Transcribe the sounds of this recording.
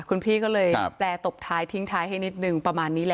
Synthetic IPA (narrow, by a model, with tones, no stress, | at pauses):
kʰu˧npʰiː˥˩kɔː˥˩lɤː˧jplɛː˧t̪o˨˩p̚t̪ʰaː˦˥jt̪ʰi˦˥ŋt̪ʰaː˦˥jɦa˥˩jni˦˥t̪̚nɯ˨˩ŋpɾa˧maː˧nːiː˦˥lɛ˧˩ʔ